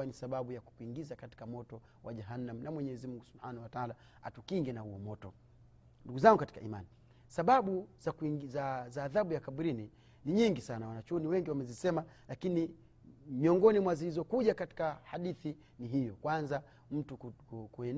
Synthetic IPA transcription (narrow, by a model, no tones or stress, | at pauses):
anisaɓaɓujaku̥kuiŋɡizakati̥kamɔtɔ | waʄaɦanːam̩namwɛɲɛzimuŋɡusubħanahwataala | a̰tukiŋɡɛnahuɔmɔtɔ | nduɡuzaŋɡukati̥kaima̰ni | saɓaɓuz̥akzazaːðaɓujakaɓuɾini | niɲiŋɡisanawanat͡ʃuniwɛŋɡiwamɛzisɛma | lakini | miɔŋɡɔnimwazilizɔkuʄakati̥kahaɗiθi | niɦijɔkwanza | m̩tukkuɛn